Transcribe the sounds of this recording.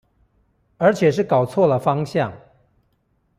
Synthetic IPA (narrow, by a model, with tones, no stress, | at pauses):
ə˞˧˥t͡ɕʰjɛ˨˩ʂ̬ɻ̩˥˩kɑ˨˩ʊt͡sʰwɔ˥˩lə˩fɑ˥ŋɕjɑ˥˨˩ŋ